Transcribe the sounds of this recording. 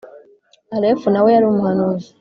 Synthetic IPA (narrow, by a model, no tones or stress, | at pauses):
alefunawejaɾiomuhanoːzi